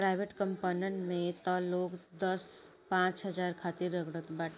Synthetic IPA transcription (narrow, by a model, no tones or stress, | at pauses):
ɾaɪʋeʈkə̃mpoːnəɳʈmẽt̪ɔːloːkd̪əspãːt͡ʃɦəd͡ʒaːɾkʰaːt̪iɾːəɡɽət̪baːʈ